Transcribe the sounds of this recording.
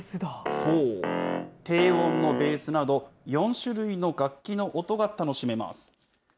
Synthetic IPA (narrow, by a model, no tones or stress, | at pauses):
sɨd̪asoː | t̪e̞ːβõ̞nːo̞be̞ːsɨnad̪o̞jõ̞ɰ̃ɕɨɾɯ̟ino̞ɡakʲːino̞ʔot̪o̞ɡat̪ano̞ɕime̞ma̰sɨ̥